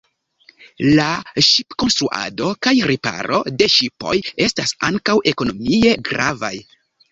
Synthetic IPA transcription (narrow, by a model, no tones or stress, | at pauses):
laʃipko̞nstɾuʔa̰do̞kajɾipa̰ɾo̞̰de̞ʃipo̞̰je̞stasaŋkawʔe̞ko̞no̞mie̞ɡɾa̰va̰j